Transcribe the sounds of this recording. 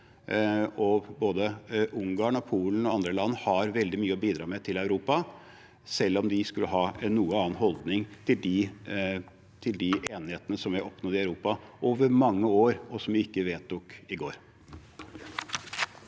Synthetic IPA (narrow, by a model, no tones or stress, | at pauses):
ɔboːd̪əʔʊŋɡɑːɳɔpʰuːlən̩ɔɑnd̪ɾəlɑnːhɑɾʋɛld̪ɪmyːəɔbiːd̪ɾɑːmɛt̪ʰɪlæʉɾuːpɑ | sɛlːɔmd̪ɪskʉlːəɦɑːɛnːuːəɑːənɦɔld̪nɪŋt̪ʰɪld̪ɪ | t̪ʰɪld̪ɪeːnɪheːt̪ənəsɔmʋæɪʔɔpnɔd̪ɪɑʉɾuːpɑʔoːʋəɾmɑŋːəoːɾɔsɔmʋɪɪkːəʋeːt̪̚ːʊkɪɡoːɾ